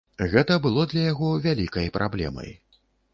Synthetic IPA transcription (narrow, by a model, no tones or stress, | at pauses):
ɣɛt̪ɐbɨlˠɔd̪lʲɐjaɣɔvʲalʲikɐjpɾʔa̰blʲɛ̰mɐ̰j